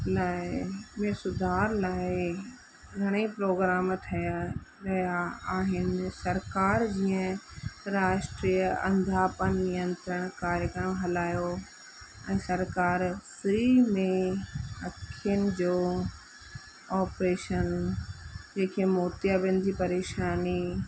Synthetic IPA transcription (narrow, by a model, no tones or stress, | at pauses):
laːɪmẽːsʊd̪ʱaːɾlaːɪ | ɡʱɐɽ̃ipɾoːɡɾaːmt̪ʰɐjaɾɐjaaːɦɪnɪ̆sɐɾkaːɾd͡ʑiːə̃ɾaːʃʈɾiːjəɐ̰̃nd̪ʱapənnijə̃nt̪ɾəɽ̃kaːɾjəkəɾmɦɐlaːjo | ɛ̃ːsɐɾkaːɾsɾimẽɐtʰənɪ̆d͡ʑoː | ɔːpɾeːʃən | d͡ʑẽːkʰemoːt̪jabɪ̃nɪ̆d͡ʑipɐɾeːʃaːni